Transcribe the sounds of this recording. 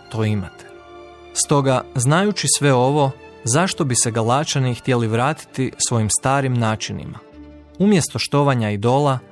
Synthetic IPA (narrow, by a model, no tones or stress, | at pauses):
t̪o̞ima̰t̪e̥ | st̪o̞ɡaznajut͡ʃisʋe̞o̞ʋo̞ | zaʃt̪o̞biseɡalˠat͡ʃanixt̪jeliʋɾaːt̪i̥t̪isʋo̞jimst̪aːɾimnaːt͡ʃinḭma̰ | umje̞st̪o̞ʃt̪o̞ʋaɲaid̪o̞ːlˠa